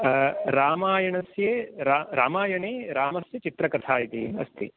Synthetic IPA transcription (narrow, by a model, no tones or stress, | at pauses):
ɾaːmaːjɐɳɐsjeːɾaɾaːmaːjɐɳeːɾaːmɐsjɐt͡ʃit̪ɾɐkɾɐt̪ʰaːjit̪iɐ̰st̪ḭ